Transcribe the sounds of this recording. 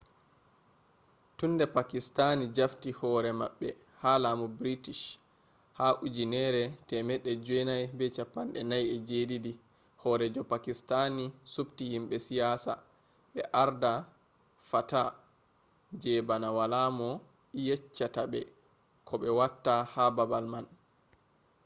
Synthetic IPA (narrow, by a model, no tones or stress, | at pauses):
tundɛpakistanid͡ʒaftihɔːɾɛma̰ɓːɛ | haːlamɔbɾitiʃ | haʔud͡ʒinɛɾɛtɛmɛɗːɛd͡ʒɛnajbɛt͡ʃapːanɗɛnajɛd͡ʒeːdidi | hɔːɾɛd͡ʒɔpakistanisuptihimɓɛsijaːsa̰ | ɓɛʔaɾda | fata | d͡ʒɛbanawalamɔ | jɛt͡ʃːatabɛ | kʰɔɓɛwatːahababalman